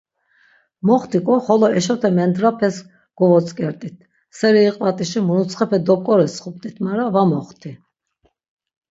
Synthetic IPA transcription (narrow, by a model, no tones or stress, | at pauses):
mɔχt̪ʰikʼɔχɔlɔɛʃɔt̪ʰɛmɛnd̪ɾapʰɛs | ɡ̥ɔvɔt͡sʼkʼɛɾt̪ʼit̪̚ʰ | sɛɾiːqʼvat̪ʼiʃimunut̪t͡sʰχɛpʰɛd̪ɔp̚kʼɔɾɛsχup̚t̪ʼit̪ʰmaɾavamɔχt̪ʰi